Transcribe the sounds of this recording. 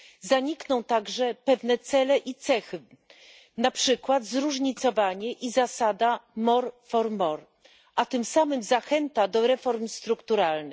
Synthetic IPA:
zaɲiknɔ̃w̃t̪aɡʐɛpɛvnɛt̪sɛlɛʔit̪sɛxɘ | napʂɘkwad̪zɾuʐɲit̪sɔvaɲɛʔizasad̪amɔɾfɔɾmɔɾ | ʔat̪ɘmsamɘmzaxɛnt̪ad̪ɔɾɛfɔɾmst̪ɾukt̪uɾalnɘx

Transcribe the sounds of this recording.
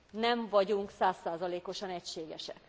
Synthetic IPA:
nɛɱvɒɟuŋksaːsːaːzɒleːko̞ʃɒnɛcʃeːɡɛʃɛ̰k

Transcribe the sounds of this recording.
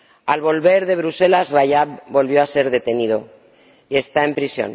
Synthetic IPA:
alβ̞o̞lβe̞ɾðe̞β̞ɾuse̞lazrajapbo̞lβjo̞ase̞ɾðe̞t̪e̞nið̞o̞ | ie̞st̪ae̞mpɾisjo̰n

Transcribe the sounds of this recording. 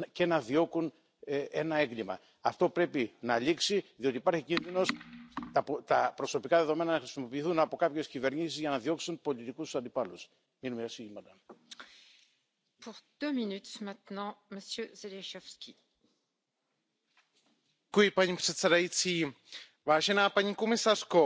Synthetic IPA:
ce̞nɐðio̞kun | e̞nɐe̞ŋɡlimɐ̰ | ɐft̪o̞pɾe̞pinɐʎiksiðio̞t̪iːpɐɾçicinðino̞st̪ɐt̪ɐpɾo̞so̞pikɐðe̞ðo̞me̞nɐnɐxɾisimo̞piːθunɐpo̞kɐpçe̞scive̞ɾɲisizʝɐnɐðio̞ksunpo̞lit̪ikust̪u̥sɐnd̪ipɐlus | minumesiimɐt̪ɐ | puʁd̪̥øminyt̪mɛ̃t̪nɑ̃məsjøzeleʃɔfskʲi | kuipɐnipset͡sɐɾɐit͡si | vaʒenɐpɐɲikumesɐsko

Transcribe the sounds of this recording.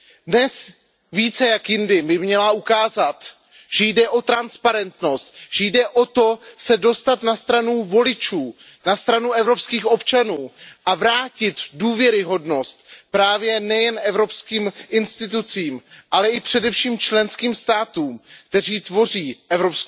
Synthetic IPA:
dnɛs | viːt͡sɛjakjɪndɪmɪmɲɛlaukaːzat̪ | ʒ̥ɛjdɛʔo̞t̪ɾanspaɾɛnt̪no̞st̪̚ʒ̥ɛjdɛʔo̞t̪o̞sɛdo̞st̪at̪nast̪ɾanuvo̞lɪt͡ʃuː | nast̪ɾanuʔɛvɾo̞pskiːxo̞pt͡ʃanuːʔavɾaːcɪt̪duːvjɛɾɪɦo̞dno̞st̪pɾaːvjɛnɛjɛnʔɛvɾo̞pskiːmʔɪnst̪ɪt̪̬ut͡siːmʔalɛɪpr̝̥ɛdɛfʃiːmt͡ʃlɛnskiːmst̪aːt̪uːmkt̪ɛriːt̪vo̞r̝iːʔɛvɾopsk

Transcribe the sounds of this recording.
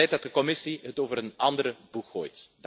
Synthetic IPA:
ɛj̚dɑt̚dəkɔmɪsiɦətoːvəɾənɑndəɾəb̥ukxo̰ːjt

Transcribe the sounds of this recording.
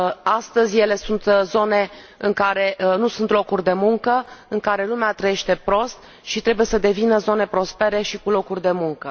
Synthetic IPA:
ast̪əzʲje̞le̞sunt̪zo̞ne̞ | ɨŋkaɾe̞nusunt̪lokurʲd̪e̞muŋkəɨŋkaɾe̞lumeat̪ɾəjeʃt̪e̞pɾo̞st̪ | ʃit̪ɾe̞buje̞səd̪e̞vinəzo̞ne̞pɾo̞spe̞ɾe̞ʃikulo̞kurʲd̪e̞muŋkə

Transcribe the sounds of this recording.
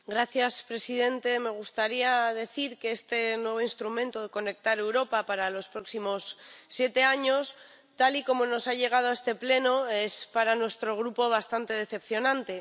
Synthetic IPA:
ɡɾaθjaspɾe̞siðe̞nt̪e̞me̞ɣ̞ust̪aɾiað̞e̞θiɾke̞est̪e̞nwe̞β̞o̞inst̪ɾumẽnt̪oð̞e̞ko̞ne̞k̚t̪aɾe̞wɾo̞papaɾalo̞spɾo̞ksimo̞sːje̞t̪e̞aɲo̞s | t̪aliko̞mo̞no̞saʝe̞ɣ̞að̞oae̞st̪e̞ple̞no̞e̞spaɾanwe̞st̪ɾo̞ɣ̞ɾupo̞β̞ast̪ant̪e̞ðe̞θe̞pθjo̞nãnt̪e̞

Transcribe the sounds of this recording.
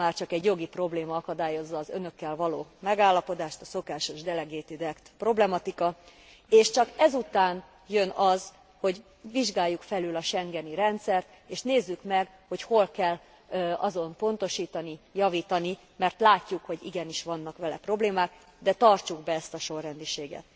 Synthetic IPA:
maːrt͡ʃɒkɛɟjo̞ɡipro̞bleːmɒɒkɒd̪aːjo̞zːɒːzø̰nø̞kːɛlvɒloːmɛɡaːlːɒpo̞d̪aːʃt̪ɒso̞kaːʃoʒd̪ɛlɛɡeːt̪id̪ɛkt̪pro̞blɛmɒt̪ikɒ | eːʃt͡ʃɒkɛzut̪aːn | jønɒz | ho̞ɟ | ʋiʒɡaːjːukfɛlylɒʃɛŋɡɛniɾɛnt̪sɛrt̪ | eːʃneːzːykmɛɡ | ho̞cho̞lkɛlː | ɒ̰zo̞mpo̞nt̪o̞ʃiːt̪ɒnijɒviːt̪ɒni | mɛrt̪laːcːukho̞ɟḭɡɛniʃʋɒnːɒkʋɛlɛ̰pro̞bleːmaːk | d̪ɛt̪ɒrt͡ʃuɡbɛɛst̪ɒʃo̞rːɛnd̪iʃeːɡɛ̰t̪

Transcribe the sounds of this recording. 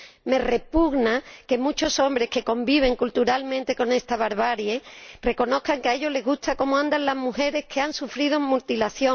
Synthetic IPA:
me̞re̞puɣnake̞mut͡ʃo̞so̞mbɾe̞hke̞ko̞mbiβ̞e̞ŋkult̪uɾalmẽnt̪e̞ko̞ne̞st̪aβaɾβaɾjere̞ko̞no̞θkaŋkeaeʎo̞le̞ɣust̪ako̞moãnd̪anlazmuhe̞ɾe̞hkʰeansufɾið̞omult̪ilaθjo

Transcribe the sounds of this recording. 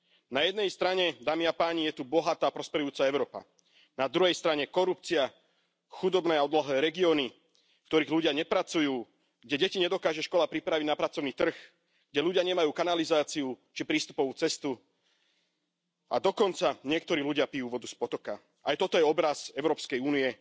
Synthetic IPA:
najɛd̪nɛjst̪ɾaɲɛd̪aːmiapaːɲijɛt̪ubɔɦat̪aːpɾɔspɛɾujuːt͡saɛʊɾɔːpa̰ | nad̪ɾuɦɛjst̪ɾaɲɛkɔɾup̚t͡sia | xud̪ɔbnɛːaɔd̪laɦlɛːɾɛɡiɔːni | kt̪ɔɾiːɣluɟɪaɲɛpɾat͡sujuː | ɡɟɛɟɛciɲɛd̪ɔkaːʒɛʃkɔlapɾipɾaʋiɟnapɾat͡sɔʊniːt̪r̩x | ɡ̥ɟɛʎuɟɪaɲɛmajuːkanalizaːt͡siut͡ʃipɾiːst̪u̥pɔʋuːt͡sɛst̪u | ʔa̰d̪ɔkɔnt͡saɲɪɛk̚t̪ɔɾiːluɟɪapijuːʋɔd̪uspɔt̪ɔka | ʔajt̪ɔt̪ɔjɛɔbɾazɛʊɾɔːpskɛjuːniɛ

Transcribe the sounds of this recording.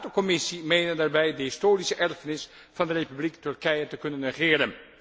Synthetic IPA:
tokɔmɪsimejnəndaːɹbɛjdəɦɪstoːrisəʔɛrfənɪs | v̥ɑndərejpybliktɵrkɛjətəkɵnənrəχɪːɾən

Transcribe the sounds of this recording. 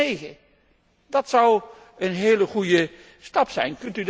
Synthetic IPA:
ejɣə̰ | dɑtsʌw | ənɦeːləχujə | stɑpsɛ̰jnkɵntyd

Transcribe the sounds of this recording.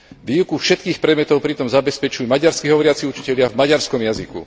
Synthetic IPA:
ʋiːwkufʃɛt̪̚kiːxpɾɛd̪mɛt̪ɔʊpɾit̪ɔmzabɛspɛt͡ʃujumaɟaɾskiɦɔʋɔɾɪat͡siut͡ʃi̥cɛʎɪavmaɟaɾskɔmjazikṵ

